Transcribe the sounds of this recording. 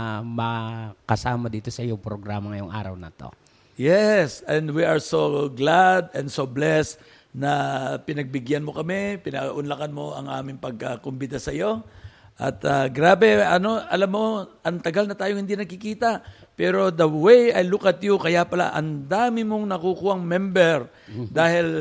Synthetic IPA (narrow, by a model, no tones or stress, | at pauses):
mɐkɐsaːmɐd̪iːt̪o̞sɐʔɪjoŋpɾoɡɾaːmɐŋɐjoŋʔa̰ːɾɐ̰wnɐt̪o̞̰ | jɛsɛ̃nd̪wiʔɐɹsoɡlad̪ɛnsoblɛst̪ | nɐpɪnɐɡ̚bɪɡjanmo̞kɐmɛpɪnɐɡʔʊnlakanmo̞ʔɐ̰ŋʔa̰ːmɪŋpɐɡ̚kakʊmbɪd̪asɐjo̞ | ʔɐ̰t̪ɐɡɾaːbɛɐno̞ɐlamːo̞ʔɐŋt̪ɐɡalnɐt̪aːjohɪnd̪inɐɡkɪkiːt̪ɐ | pɛːɾo̞d̪ɐwejɐjlukɐt̪jokɐjapɐla̰ʔɐ̰nd̪aːmɪmoŋnɐkukuːɐŋmɛmbɛɹ | d̪aːhɪl